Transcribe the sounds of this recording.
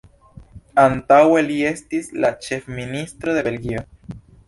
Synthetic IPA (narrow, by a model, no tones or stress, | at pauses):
ant̪awelie̞stislat͡ʃe̞fminist̪ɾo̞d̪e̞be̞lɡio